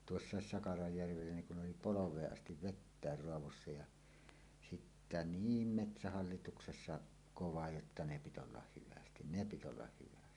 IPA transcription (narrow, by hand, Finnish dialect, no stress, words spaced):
tuosːɑˑes sɑkɑrɑjːærʋelːæ niŋ kun oli poloʋˑeːʔ ʔɑstiʋ ʋetːæˑer roɑʋosːɑ jɑ sitːæ niːm metsæhɑlːituksesːɑ koʋɑ jotːɑ ne pit olːɑh hyʋæstin ne pit olːɑh hyʋæsti